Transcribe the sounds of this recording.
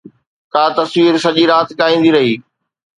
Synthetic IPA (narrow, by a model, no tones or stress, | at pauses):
kaːt̪ɐswiːɾsɐʄiɾaːt̪kaːĩːnd̪iɾɐɦiː